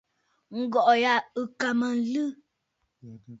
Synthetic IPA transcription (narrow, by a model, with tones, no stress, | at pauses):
ŋ̩˦ɡɔ˨ʔja˦˨ɨ˨ka˨mə˨n̩˦lɨ˦